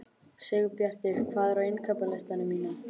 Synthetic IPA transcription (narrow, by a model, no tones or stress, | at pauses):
sɛɣʏpjar̥t̪ɪɾ̥kʰvaːðɾaɪnkʰapalast̪anʏmiːna